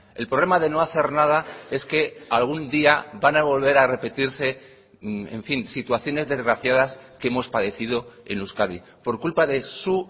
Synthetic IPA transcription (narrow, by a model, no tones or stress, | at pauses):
e̞lpɾoβle̞maðe̞no̞aθe̞ɾnað̞ae̞ske̞alɣ̞und̪iaβanaβo̞lβe̞ɾare̞pe̞t̪iɾse̞ | e̞̰ɱfinsit̪uaθjo̞ne̞zðe̞zɣɾaθjaðaskeemo̞spaðe̞θið̞o̞e̞̰nluskaβi | po̞ɾkulpaðe̞su